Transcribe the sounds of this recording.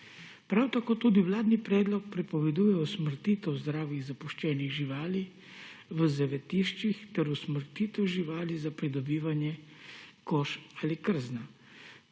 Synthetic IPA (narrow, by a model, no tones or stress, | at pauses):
pɾawt̪akoːt̪uːd̪iwlaːd̪nipɾɛːd̪lɔk̚pɾɛpɔʋɛd̪uːjɛɔsməɾt̪iːt̪ɛwzd̪ɾaːwjiɣzapuʃt͡ʃɛːniɣʒiʋaːli | ʋəzɛʋɛt̪iʃt͡ʃixt̪ɛɾusməɾt̪iːt̪ɛwʒiʋaːlizapɾid̪ɔbiːʋanjɛkoːʃalikəɾzna